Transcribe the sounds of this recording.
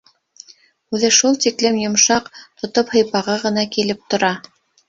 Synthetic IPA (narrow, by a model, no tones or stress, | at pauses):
ʉðɘʃulˠt̪iklɘmjŏmʃɑqt̪ŏt̪ophɤ̆jpɑʁɤʁɤ̆nɑkilɘp̚t̪ŏɾɑ